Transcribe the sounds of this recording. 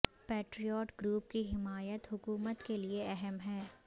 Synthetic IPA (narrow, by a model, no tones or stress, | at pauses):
peːʈɾijɔːʈɡɾuːp̚kiɦɪmaːjət̪ɦʊkuːmət̪kelieɛɦɛmɦɛː